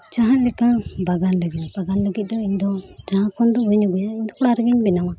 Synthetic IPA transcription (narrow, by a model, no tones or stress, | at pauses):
d͡ʒaɦãʔlɛkãbaɡanləɡit̪b̥aɡanləɡit̪̚d̪ɔiɲd̪ɔd͡ʒaɦãkɔnd̪ɔɛɲɔɡɛjaiɲd̪ɔkɔɽaɾəɡiɲbɛnama